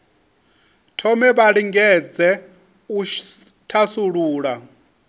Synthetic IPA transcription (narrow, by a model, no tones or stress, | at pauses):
tʰɔmɛβaɺiŋɡɛd͡zɛ | utʰasuɺuːɺa